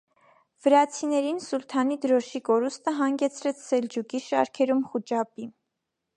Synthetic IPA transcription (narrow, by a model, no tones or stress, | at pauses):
v̥əɾɑt͡sʰinɛɾinsult̪ʰɑnid̪əɾɔʃikɔɾust̪əɦɑŋɡɛt͡sʰɾɛt͡sʰsɛld͡ʒukiʃɑ̰ɾkʰɛɾumχut͡ʃɑpi